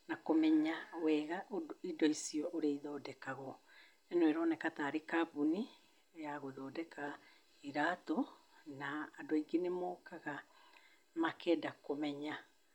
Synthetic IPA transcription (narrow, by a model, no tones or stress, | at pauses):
nakomɛɲawɛːɣaʔoidɔisiɔʔoɾeiðɔːdɛkaɣɔ | ɛnoɛɾɔnɛkataɾekabuni | jaɣoðɔːdɛka | iɾatɔ | naːdoiɡenemɔːkaɣa | makɛːdakomɛɲa